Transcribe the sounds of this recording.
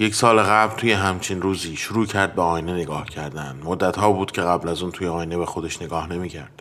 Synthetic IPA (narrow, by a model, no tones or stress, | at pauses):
je̞csɒːleɣæblt̪ʰuːje̞ɦæmt͡ʃʰinɾuːziːʃuɾuːcʰæɾd̪̚beɒːjine̞ne̞ɡɒːhcʰæɾd̪ænd̪mod̪ːæt̪hɒːbuːd̪̥cʲʰeɣæblæzuːnt̪ʰuːjeɒːjine̞βexod̪e̞ʃneɡɒːhne̞miːcʰæɾd̪̥